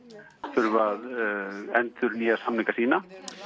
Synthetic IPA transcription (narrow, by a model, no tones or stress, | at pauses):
θʏɾvaðɛnt̪ʏɾniːjasamliŋkasiːna